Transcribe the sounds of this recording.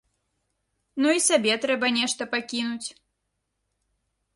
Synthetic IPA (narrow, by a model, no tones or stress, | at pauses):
nuisabʲɛt̪ɾɛbɐnʲɛʂt̪ɐpakʲinut͡sʲ